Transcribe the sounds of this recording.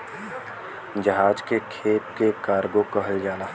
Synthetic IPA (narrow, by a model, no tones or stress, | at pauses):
d͡ʒəɦaːd͡ʒkekʰeːp̚kekaːɾɡokəɦəld͡ʒaːnaː